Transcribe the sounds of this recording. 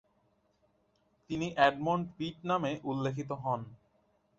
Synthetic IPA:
t̪iniʔɛɖmoɳʈbiʈ̚nameʔulːekʰit̪̬oɦɔn

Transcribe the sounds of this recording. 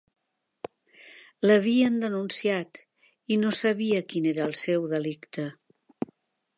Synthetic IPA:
ləβ̞iənd̪ənunsijat̪ | inosəβiəkineɾəːlˠsɛwðəlikt̪ə

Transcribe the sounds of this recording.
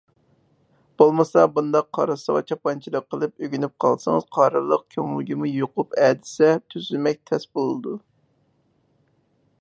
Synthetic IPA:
b̥olˠmɨsɑbund̪ɑqʰːɑ̰ɾɨsəʁɑ̰t͡ʃʰɑpɑnt͡ʃʰilˠəqʰːəlˠɨpøɡʲynyp̚qʰɑ̰lˠsɨŋɨz̥qʰɑɾɨlˠːəq̚kʲʰøŋuɡʲimujoqʊpɛːd̪ɪ̥sɛt̪ʰyzylmɛk̚ʲt̪ʰɛsbolˠɨd̪u

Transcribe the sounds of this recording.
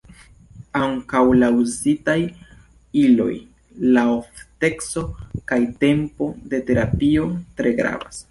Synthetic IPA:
aŋkawlauzitaj | ilo̞̰j | laofte̞kso̞kajte̞mpo̞de̞te̞ɾapio̞tɾe̞ɡɾa̰vas

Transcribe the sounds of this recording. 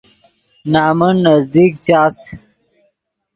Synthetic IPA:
naːmunːɐzd̪ikt͡ɕaːs

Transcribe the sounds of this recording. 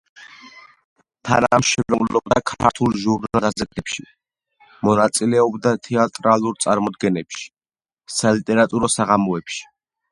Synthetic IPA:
t̪ʰa̰namʃɛɾɔvlɔbd̪akʰaɾt̪ʰulˠʒuɾnald̪azɛkɛpʃi | mɔnat̪sʼilɛɔbd̪at̪ʰɛat̪ʼɾalˠuɾt̪sʼaɾmɔd̪ɡɛnɛpʃi̥ | salit̪ʼɛɾat̪ʼuɾɔsaʁamɔɛpʃi̥

